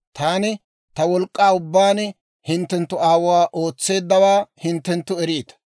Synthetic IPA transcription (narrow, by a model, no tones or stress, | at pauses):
t̪aːnɪ | t̪ɐwɔlkʼːaːʊbːaːn | hɪnt̪ːɛnt̪ːʊaːwʊwaːʔo̞ːt͡sːe̞ːd̪ːɐwaːhɪnt̪ːɛnt̪ːʊɛɾiːt̪ɐ̥